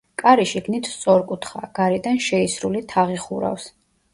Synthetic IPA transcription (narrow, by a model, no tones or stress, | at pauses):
kʼaɾiʃiɡnit̪ʰt̪sʼɔɾkʼut̪ʰχa̰ɡ̥aɾid̪anʃɛisɾulit̪ʰaʁiχuɾa̰fs